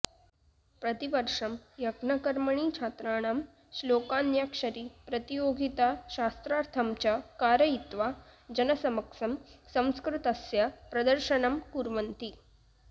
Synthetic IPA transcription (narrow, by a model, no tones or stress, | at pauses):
pɾət̪iʋəɾʂɐmjɐɡnɐkəɾməɳ̃it͡ɕʰat̪ɾaɽ̃am | slokanjakʂəɾiːpɾət̪ijoɡʱit̪aɕast̪ɾaɾt̪ʰamt͡ɕakaɾəit̪ʋad͡ʑənəsɐməkʂɐmsə̃w̃skɾut̪ɐsjapɾɐd̪əɾɕəɳɐmkuɾʋənt̪i